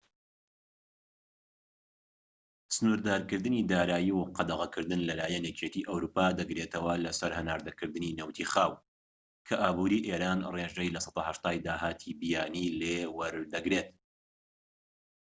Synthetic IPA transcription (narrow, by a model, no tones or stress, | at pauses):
sɨnuɾd̪aːɾkɨɾd̪ɨniːd̪aːɾaːjiwqɑd̪ɐɣɐkʰɨɾd̪ɨnlɐlaːjɐnjɛcʰet̪ʰiʔɐwɾuːpaːd̪ɐɡɾet̪ʰɐwɐlɐsɐɾhɐnaːɾd̪ɐkɨɾd̪ɨniːnɐwt̪ʰiːχaːw | kʰɐʔaːbuːɾiːʔeːɾaːnreʒejlɐsɑ̥t̪ahɐʃt̪aːjd̪aːɦaːt̪ʰibijaːnilewɐɾd̪ɐɡɾet̪̚